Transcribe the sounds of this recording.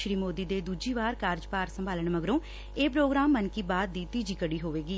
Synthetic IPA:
ʃɾiːmoːd̪iːd̪eːd̪uːd͡ʒiːʋaːɾkaːɾd͡ʒpaːɾsəmbaːləɳməɡɾõː | eːpɾoːɡɾaːmːənkiːbaːd̪̚ːiːt̪iːd͡ʒiːkəɽiːɦoːʋeːɡiː

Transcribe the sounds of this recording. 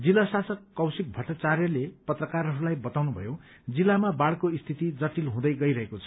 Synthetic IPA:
d͡zilasasʌkːʌwsik̚bʱʌʈːat͡sarjʌlepʌt̪rʌkaɾɦʌɾulajbʌt̪awnubʱʌ̰jo | d͡zilːamabaɽkoist̪ʰit̪id͡zʌʈilɦũd̪ʌjɡʌjɾʌɦekot͡sʰʌ̥

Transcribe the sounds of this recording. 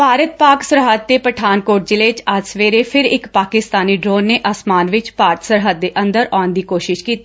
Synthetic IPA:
paːɾət̪̚paːksəɾɦəd̪̚ːeːpɾəʈʰaːnkoːʈ̚d͡ʒɪleːt͡ʃəd͡ʒsʋeːɾeːpʰɪɾɪkpaːkɪst̪aːniːɖɾoːnːeːʔasmaːnʋɪt͡ʃpaːɾt̪səɾɦəd̪̚ːeːʔə̃nd̪əɾɔːnd̪iːkoːʃɪʃkiːt̪iː

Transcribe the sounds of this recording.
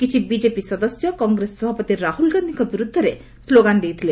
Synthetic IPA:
kit͡ʃʰibid͡ʒepisɔd̪ɔsjɔkɔŋɡɾesɔːɔbʱɔpɔt̪iɾahulɡand̪ʱiŋkɔbiɾud̪ʱːɔɾe | sloɡand̪ejt̪ʰile

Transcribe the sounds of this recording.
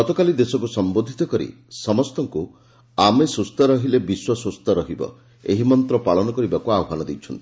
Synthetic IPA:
ɔt̪ɔkalid̪esɔkusɔmbod̪ʱit̪ɔkɔɾḭ | sɔmɔst̪ɔŋku | amesɾust̪ɔɾɔɦilebiswɔsust̪ɔɾɔɦibɔ̰ | ḛɦimɔnt̪ɾɔpaɭɔnɔkɔɾibakuawɔɦanɔd̪ejt͡ʃʰɔnt̪i

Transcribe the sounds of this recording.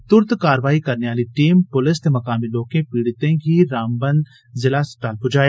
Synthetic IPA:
t̪ʊɾt̪kaːɾəʋaːikɐɾneʋaːliʈiːmpʊlɪst̪emɐkaːmiloːkẽpiːɽt̪ẽɡʱiɾaːmbə̃nd̪ | zɪlasʈaːlpʊd͡ʒaːja

